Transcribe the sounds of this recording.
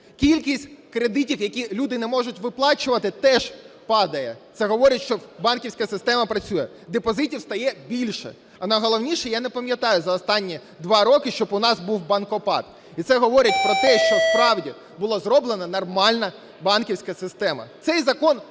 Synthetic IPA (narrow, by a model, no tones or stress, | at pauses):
kʲilʲkʲisʲtʲkɾed̪ɪtʲiwjɐkʲilʲud̪ɪnɛmɔʒʊtʲʋɪplˠɑt͡ʃʊʋɐt̪ɪt̪ɛʒ | pɑd̪ɐjɛtsɛɦɔʋɔɾʲɐtʲʃt͡ʃɔbɑnkʲiwsʲkɐsɪst̪ɛmɐpɾɐt͡sʲujɛ | d̪epɔzɪtʲiwst̪ɐjɛbʲilʲʃɛ̰ | ɐnɐjɦɔlˠɔwnʲiʃɛjanɛpɐmʲjɐt̪ɑjʊzɐɔst̪ɑnʲːi | d̪ʋɑɾɔkɪʃt͡ʃɔbʊnɑzbuwbɐnkɔpɑ̰t̪ | it̪sɛɦɔʋɔɾʲɐt̚ʲpɾɔt̪ɛʃt͡ʃɔspɾɑwdʲi | bʊlˠɔzɾɔblˠenɐnɐrmɑlʲnɐ | bɑnkʲiwsʲkɐsɪst̪ɛmɐ̰t̪sɛjzɐkɔn